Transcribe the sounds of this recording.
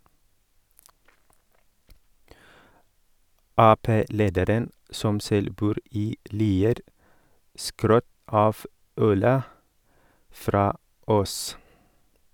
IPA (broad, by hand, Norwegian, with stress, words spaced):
ˈɑːˌpeː ˈleːdəɾən ˈsɔm ˈsɛl ˈbuːɾ ˈiː ˈliːəɾ ˈskɾœt ˈɑːf ˈœlə ˈfɾɑː ˈʔoːs